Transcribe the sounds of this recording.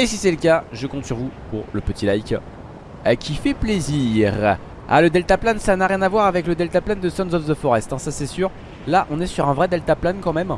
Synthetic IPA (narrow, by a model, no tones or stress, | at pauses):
esisɛləkʲaʒəkɔ̃t̪syʁvupuʁləpət̪ilajkʲ | kʲifɛpleziʁ | a̰ləd̪ɛlt̪aplansanaʁjɛ̃navwaʁavɛkləd̪ɛlt̪apland̪əsɔ̃nzɔfd̪əfɔʁɛst̪ɛ̃sasɛsyʁ | laʔɔ̃nɛsyʁɛ̃vʁɛd̪ɛlt̪aplankɑ̃mɛm